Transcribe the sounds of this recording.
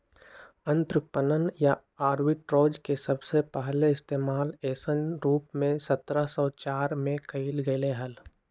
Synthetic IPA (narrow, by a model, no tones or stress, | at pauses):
ə̃nt̪ɾəpənənja | aːɾwɪʈɾoːd͡ʒkesɐbsepɛɦleɪst̪eːmaːleːsənɾuːpmẽsət̪ɾəsɔːt͡ʃaːɾmẽkəilɡəɪleɦɐl